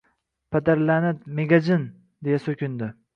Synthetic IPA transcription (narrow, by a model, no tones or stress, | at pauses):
pʰad̪aɾlanɪdmeɡad͡ʒɪn | d̪ejasɵkʲɪnd̪ɪ